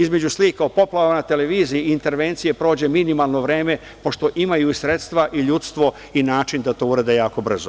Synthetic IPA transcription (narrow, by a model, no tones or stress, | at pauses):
izme̞d͡ʑusliːkaopo̞plˠaʋanat̪e̞le̞ʋiːzijiint̪e̞ɾʋent̪sije̞pɾoːd͡ʑe̞minimalˠno̞ʋɾe̞ːme̞ | po̞ʃt̪o̞ʔimajuisɾet̪st̪ʋaʔiʎut̪st̪ʋo̞ | inaːt͡ʃind̪at̪o̞uɾed̪ejaːko̞br̩zo